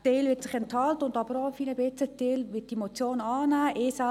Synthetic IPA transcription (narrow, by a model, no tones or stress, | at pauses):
teːlʋɪtsɪχɛnthɑltʊndɑbəɾɔːfiːnəbɪt͡səteːlʋɪt̚d̥imot͡sjoːnɑːnæːʔɪːsa